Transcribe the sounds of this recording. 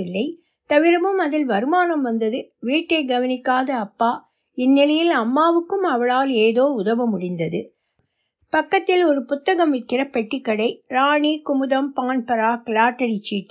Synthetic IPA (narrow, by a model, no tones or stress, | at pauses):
ɪlːɐɪ | t̪ɐʋɪɾɐmɯmɐðɪlʋɐɾɯmaːnɐmʋɐnd̪ɐðɯʋiːʈːɐɪɡɐʋɐnɪkːaːðɐːpːaː | ɪnːɪlɐjɪlɐmːaːʋɯkːɯmɐʋɐɭaːleːðoːʊðɐʋɐmʊɽɪnd̪ɐðɯ | pɐkːɐt̪ːɪlɔɾɯpʊt̪ːɐɣɐmʋɪʈkːɪrɐpɛʈːɪkːɐɽɐɪɾaːɳiːkʊmʊðɐmpaːnpɐɾaːkɪlaːʈːɐɽit͡ʃːiːʈː